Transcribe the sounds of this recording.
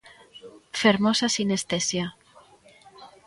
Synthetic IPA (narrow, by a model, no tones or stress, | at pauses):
feɾmosasinest̪esja